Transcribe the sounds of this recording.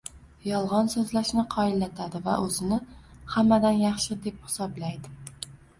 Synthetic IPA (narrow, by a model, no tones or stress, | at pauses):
jɒlˠʁɒnsɵzlaʃnɪqʰɒɪlːat̪ʰad̪ɪva̰ʔɵzɪnɪhamːad̪anjɑχʃɪd̪e̞p̚hɪ̥sɒblajd̪ɪ